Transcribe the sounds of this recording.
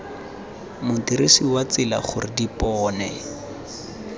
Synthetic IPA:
mʊtiɾisiwat͡sɪla̰χʊrɪdipɔːnɛ

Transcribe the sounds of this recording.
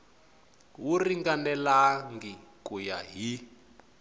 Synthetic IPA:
wuriŋɡanɛlaŋɡikuja̰ɦi

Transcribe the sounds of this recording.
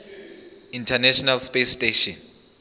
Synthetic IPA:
ĩntʰanɛʃɔnalspesteʃɔn

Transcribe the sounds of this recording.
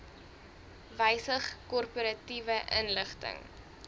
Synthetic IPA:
vəjsəχkɔrpəɾɐtivəʔənləχtə̰ŋ

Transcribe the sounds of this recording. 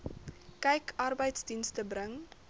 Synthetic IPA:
kɛjkɐrbəjtsdinstəbɾəŋ

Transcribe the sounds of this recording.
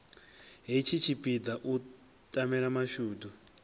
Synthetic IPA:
ɦit͡ʃʰit͡ʃʰipʼid̪aʔu | tʼamɛɺamaʃuːdu

